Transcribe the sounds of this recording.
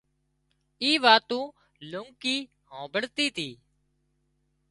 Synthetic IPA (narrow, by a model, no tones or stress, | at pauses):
iːʋaːt̪ũː | lʊŋkiː | hõːbəɽt̪iːt̪ʰiː